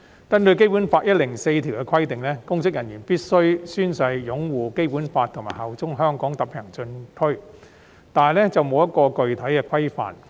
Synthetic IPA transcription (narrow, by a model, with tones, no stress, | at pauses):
kɐ˥nt̪ɵ˧ɥk̬e˥jpuː˨˥nfaː˧t̚jɐ˥t̚lɪ˨˩ŋse˧jt̪ʰiː˨˩wkɛ˧kʰɐ˥jt̪ɪ˨ŋlɛː˥kʊ˥ŋsɪ˥k̚jɐ˨˩njyː˨˩npiː˥t̚sɵ˥ɥsyː˥nsɐ˧jːʊ˨˥ŋwuː˨˩ke˥jpuː˨˥nfaː˧t̪ʰŋmaː˨˩hɐ˨˩wt͡sʊ˥ŋɦœː˥ŋkɔː˨˥ŋt̪ɐ˨˥pʰɛː˨˩ŋt͡sɵ˧nt̪ʰɵ˥ɥ | t̪aː˨lɛː˥t͡sɐ˨wmo˨˧wjɐ˥t̚kɔː˧kɵ˨ɥt̪ʰɐ˨˥jkɛː˧kʰɐ˥jfa̰ː˨˩n